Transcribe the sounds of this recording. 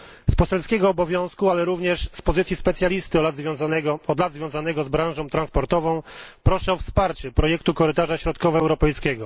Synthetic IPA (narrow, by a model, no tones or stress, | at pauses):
spɔsɛlskʲɛɡɔːbɔvʲjɔ̃w̃skualɛɾuvɲɛʂspɔzɘt̪sʲjispɛt̪sʲjalʲist̪ɘɔlad̪zvʲjɔ̃znɛɡɔɔd̪lad̪zvʲjɔ̃w̃zanɛɡɔzbɾãwʐɔ̃w̃t̪ɾãnspɔɾt̪ɔvɔ̃w̃pɾɔʂɛɔfspaɾt͡ɕɛpɾɔjɛkt̪ukɔɾɘt̪aʐaɕɾɔt̪kɔvɛɛwɾɔpɛjskʲɛɡɔ